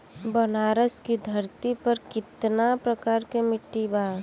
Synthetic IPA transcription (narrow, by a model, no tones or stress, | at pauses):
bənaːɾəskid̪ʱəɾt̪ipəɾkɪt̪napɾəkaːɾkemɪʈːiba